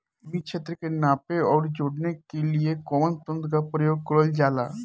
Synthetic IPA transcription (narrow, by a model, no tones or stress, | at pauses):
mit͡ʃʰet̪ːɾəkenaːpeɔːɾd͡ʒoɽnekeliekɔmənt̪ɔ̃nt̪kapɾojoɡ̚kɔɾold͡ʒaːla̰